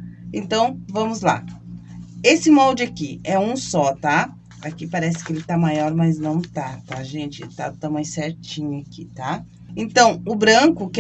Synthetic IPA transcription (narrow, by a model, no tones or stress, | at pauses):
ẽnt̪ɐ̃w̃vɐ̃mʊzla̰ | esɪmɔwd͡ʒɪakiɛũsɔt̪a | akipaɾɛsɪ̥kɪelɪt̪amajɔɾmaznɐ̃w̃t̪at̪aʒẽnt͡ʃɪt̪at̪amajsɛɾt͡ʃĩɲʊakit̪a | ẽnt̪ɐ̃w̃ʊbɾɐ̃kʊkɪ